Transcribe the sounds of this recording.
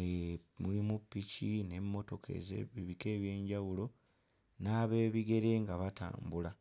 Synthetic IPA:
emulimupːicine̞mːo̞to̞kʰḛze̞̰βiβike̞ːβje̞ːɲɟawulo̞ | naːβe̞ːβiɡe̞ɾe̞ŋɡaβata̰ːmbula

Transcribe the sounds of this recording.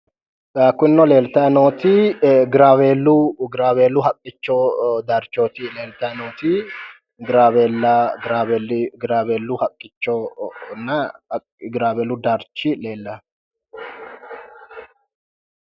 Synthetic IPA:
akːʊɪnːɔle̞ːlt̪ɐnoːt̪iɡɪɾaːweːlːuɡɪɾaːweːlːʊhɐkʼːɪt͡ʃːoːd̪aɾt͡ʃːoːt̪ile̞ːlt̪ɐnoːt̪i | ɡɾaːweːlːɐɡɾaːwelɡɪɾaːweːlːuhɐkʼːɪt͡ʃːonːɐ | ɡɪɾaːweːlʊd̪ɐɾt͡ʃːile̞ːlːɐ

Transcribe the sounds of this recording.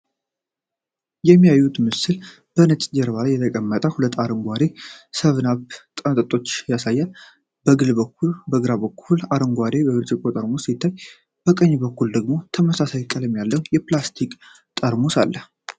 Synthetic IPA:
jɛmːijajːut̪mɨsɨl | b̥ənət͡ʃʼd͡ʒɛɾβalajːɛt̪ʰəkʼəmːət̪ʼəhulət̪ːaɾəŋɡʷaɾe̞səβnaβt̪ʼənt̪ʼət̪ʼːo̞t͡ʃːjasajːal | bəɡɨlbəkːubəɡɨɾaβəkʰːulaɾəŋɡʷaɾebəβɨɾd͡ʒɪkʼot̪ʼəɾmosit̪ʰːaj | b̥əkʼəɲːbəkːuld̪əɡmo̞t̪ʰəməsasajkʼələmjalːəwjɛplast̪ʰikʼ | t̪ʼəɾmosalːə

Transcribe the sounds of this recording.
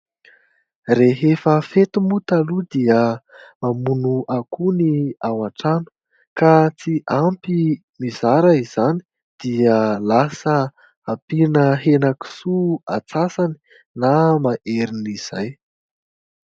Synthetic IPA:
reɦefəfet̪umut̪alud̪iə | mamunuʔakuniawaʈ͡ʂanə̥ | kat͡siʔampi | mizaɾəiz̥ani̥ | d̪̥iəlasə | apinəɦenaki̥sua̰t͡sasani̥ | namaʔeɾiniz̥a̰j

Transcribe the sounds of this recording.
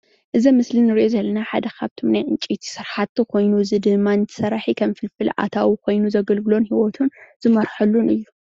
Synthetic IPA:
ʔɨzimɨslinːɨɾiʔo̞zɐlːɐnaħa̰d̪ɐkʰaβt̪ʰomnajʔɨnt͡ʃʼit̪ʰi̥sɨɾħat̪ːikʰo̞jnuzɨd̪ɨmːanɨt̪ʰɐ̥sɐɾaħikʰɐmfɨlfɨlʔa̰t̪ʰawikʰo̞jnuzɐɡɐlɡɨlo̞nhiwɔt̪ʰunzɨmɐɾħɐlːunɨjːu

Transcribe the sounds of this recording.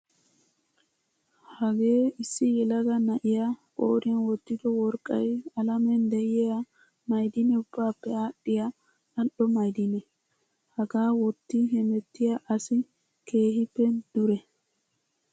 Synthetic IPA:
hɐɡe̞ːɪsːɪjɛlɐɡɐnɐʔɪjakʼoːɾɪɐnwɔt̪ːɪd̪ɔwɔɾkʼːɐjɐlɐmɛnd̪ɛjɛɐ | mɐjd̪ɪnɛʊb̥ːaːpːɛaːɗɪjɐ | ɐɗɔmɐjd̪ɪnɛ | hɐɡaːwɔt̪ːɪɦɛmɛt̪ːɪjɐʔɐsɪ | ke̞ːhɪpːɛd̪̥ʊɾɛ

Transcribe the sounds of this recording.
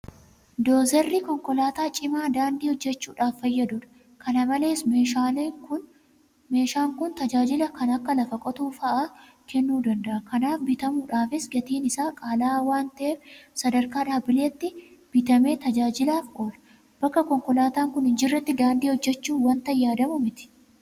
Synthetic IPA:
d̪o̞ːzɛrːikɔŋkɔlaːt̪aːt͡ʃʼɪmaːd̪aːnd̪iːhɔd͡ʒːɛt͡ʃːuːᶑaːfːɐjːɐd̪ʊᶑɐ̥ | kɐnɐmɐle̞ːsmealekʊ | me̞ːʃaːŋkʊnt̪ɐd͡ʒaːd͡ʒɪlɐkɐnɐkːɐlɐfɐkʼɔt̪uːfɐʔaː | kʰɛnːuːd̪ɐnd̪ɐʔɐkɐnaːfbɪt̪ɐmuːᶑaːfɪsɡɐt̪iːnɪsaːkʼaːlaːwaːnt̪ɐʔeːfsɐd̪ɐɾkaːᶑaːbɪleːt̪ːɪb̥ɪt̪ɐme̞ːt̪ɐd͡ʒaːd͡ʒɪlaːfkʼoːᶑɐ̥ | b̥ɐkːɐkɔŋkɔlaːt̪aːŋkʊnhɪnd͡ʒɪrːɐt̪ːɪd̪aːnd̪iːhɔd͡ʒːɛt͡ʃːuːwɐnt̪ɐjːaːd̪ɐmʊmɪt̪ɪ̥

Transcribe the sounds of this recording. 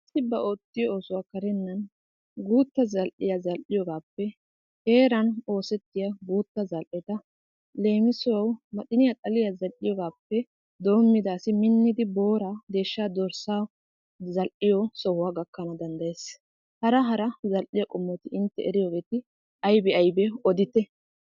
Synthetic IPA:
ɪsːɪbɐʔoːt̪ːɪjɔoːsʊwaːkɐɾɛnːɐn | ɡuːt̪ːɐzɐlʔɪjazɐlʔɪjɔɡaːpːɛ | he̞ːɾɐno̞ːsɛt̪ːɪjaɡuːt̪ːɐzɐlʔɛt̪ɐ | le̞ːmɪsʊwɐwmɐtɪnɪjat̪ʼɐlɪjazɐlʔɪjɔɡaːpːɛ | d̪o̞ːmːɪd̪aːsɪmɪnːɪd̪ɪbo̞ːɾad̪e̞ːʃːaːd̪ɔɾsaː | zɐlʔɪjɔsɔhʊwaːɡɐkːɐnɐd̪ɐnd̪ɐjeːs | hɐɾɐɦɐɾɐzɐlʔɪjɐkʼɔmːɔt̪ɪɪnt̪ːɛ̰ɛɾɪjoɡe̞ːt̪ɪ | ʔɐjbɛɐjbɛɔd̪ɪt̪ːɛ

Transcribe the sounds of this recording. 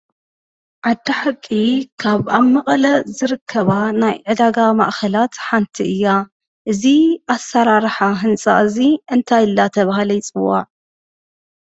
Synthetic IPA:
ʕad̪ːaħakʼːikʰaβaβmɐχʼlɐzɨɾɨkʰːɐβanajʕɨd̪aɡama̰ʔxʰɐlat̪ħant̪ʰiʔɨjːa | ʔɨziasːɐɾaɾħaɦɨnt͡sʼa̰ʔɨziʔɨnt̪ʰajɨlːat̪ʰɐβahlɐjt͡sʼɨwːa̰ʕ

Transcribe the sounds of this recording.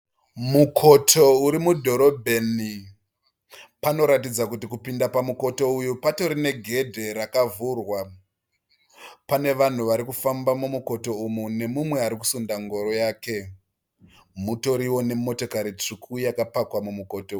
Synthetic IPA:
mukʰo̞tʰo̞uɾimudʱo̞ɾo̞bʱe̞ni | pano̞ɾatid͡zakutikupindapamuko̞to̞ujupato̞ɾine̞ɡʱe̞dʱe̞ɾakavurwa | pane̞ʋan̤uʋaɾikufambamumuko̞to̞umune̞mumwe̞aɾiku̥sundaŋɡo̞ɾo̞jaːke̞ | muto̞ɾiwo̞ne̞mo̞to̞kaɾit͡ʂikʰujakapakwamumuko̞tou

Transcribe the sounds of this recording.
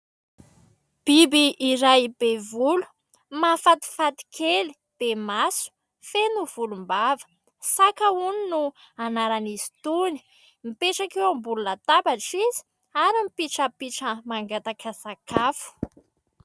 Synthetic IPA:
b̥ibiʔːɾajb̥evulu̥ | mafat̪i̥fat̪i̥kʰeli̥ | b̥emasu̥ | fenuv̥ulumbavə̥ | sakəuninu | anaɾaniz̥i̥t̪uni̥ | mipeʈ͡ʂakewambululat̪abaʈ͡ʂizi̥ | aɾimipiʈ͡ʂəpiʈ͡ʂəmaŋɡat̪akəsakʰafu̥

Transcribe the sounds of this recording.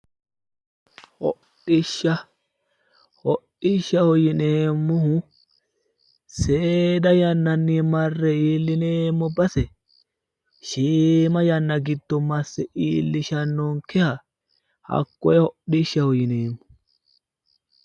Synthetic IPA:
hɔ̰ɗɪʃːɐ | hɔɗɪʃːɐhɔjɪneːmːʊhʊ | seːd̪ɐjɐnːɐnːimɐrːɛiːlːɪneːmːɔbɐsɛ | ʃiːmɐjɐnːɐɡɪd̪ːɔmɐsːɛʔiːlːɪʃɐnːoŋkɛhɐ | hɐ̰kːɔɛhɔʔɪʃːɐhɔjɪneːmːʊ̥

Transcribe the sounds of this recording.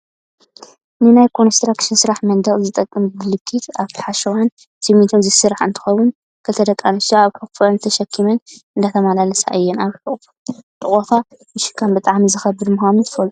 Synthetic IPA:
nɨnajkʰo̞nst̪ɾakʃɪnsɨɾaħmɐnd̪ɐɣʼzɨt̪ʼɐkʼːɨmbɨlɨkʰːit̪aβt̪ʰi̥ħaʃɐwan | sʰimit̪ʰomzɨsɨɾaħɨ̰nt̪ʰɨ̥xɐwun | kʰɐt̪ʰɐd̪ɐkʼːanɨsoaβkʰɨkfɐnɨt̪ʰɐʃɐkʰːimɐnɨnd̪at̪ʰɐmalalɐsa̰ʔɨjːɛnaβħɨʔʼf | t̪ʼɨχʼot̪ʰa | mɨʃɪ̥kʰːambɨt̪ʼaʕmizɨxɐbɨd̪muxanunt̪ʰɨ̥fɐlu

